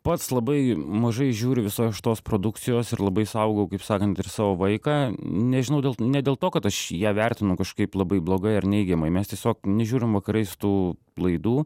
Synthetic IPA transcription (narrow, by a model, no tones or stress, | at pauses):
pɐt̪slˠɐbɐɪmɐʒɐɪʒʲuːɾʲʊʋʲɪsoːʃɪ̥t̪oːspɾoːd̪ʊk̪t͡s̪ʲɪjoːsɪɾlˠɐbɐɪsɐʊɡɐʊkɐɪpsɑːkɐnt̪ɪɾsɑːʋoːʋɐɪkɑːnʲɛʒʲɪnɐʊdʲeɛlˠnʲɛdʲeːlˠt̪oːkɐt̪ɐʃjæːʋʲærʲt̪ʲɪnʊkɐʃkɐɪplˠɐbɐɪblˠoːɡɐɪɐrnʲɛɪɡʲɛmɐɪmʲɛst̪ʲiɛsʲoːknʲɛʒʲuːɾʲɪmʋɐkɐɾɐɪsʊ̥t̪uː | lˠɐɪd̪uː